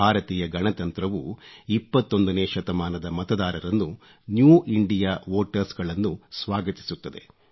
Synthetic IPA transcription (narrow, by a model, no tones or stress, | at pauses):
bʱaːɾɐt̪iːjɐɡɐnɐt̪ɐnt̪ɾɐʋuipːɐt̪ːo̞nd̪ɐneːʃɐt̪ɐmaːnɐd̪ɐmɐt̪ɐd̪aːɾɐɾɐnːu | njuːiɳɖijaːʋoːʈɐɾsɡɐɭɐnːusʋaːɡɐt̪i̥sut̪ːɐd̪e̞̰